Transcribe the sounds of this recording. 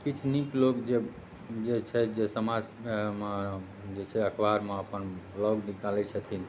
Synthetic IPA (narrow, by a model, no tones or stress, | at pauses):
kit͡ʃʰniklokd͡ʒe | d͡ʒet͡ʃʰɛd͡ʒesəmad͡ʒ | d͡ʒet͡ʃʰɛəkʰʋaɾmeəpənblɔɡnikalɛt͡ʃʰət̪ʰin